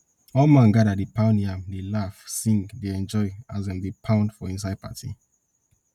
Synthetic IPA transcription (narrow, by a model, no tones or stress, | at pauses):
ɔlmãnɡadadepãʊ̃ndĩãmlelafsĩŋɡdeɛ̃nd͡ʒɔɪazɛ̃mdepʰãʊ̃ndfɔĩns̬ad̚pʰa̰tḭ